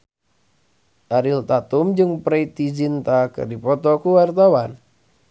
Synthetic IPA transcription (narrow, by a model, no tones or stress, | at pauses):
ʔaɾilt̪at̪umd͡ʒɨŋpɾeit̪id͡ʒint̪akɨ̰rdipɔt̪ɔkuwart̪awan